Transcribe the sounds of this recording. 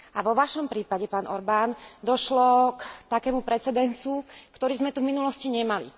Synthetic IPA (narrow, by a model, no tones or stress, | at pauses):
aʋɔʋaʃɔmpɾiːpaɟɛpaːnɔ̰ɾbaːnd̪ɔʃlɔkt̪akɛːmupɾɛt͡sɛd̪ɛnt͡sukt̪ɔɾiːzmɛt̪uvminulɔsciɲɛmalḭ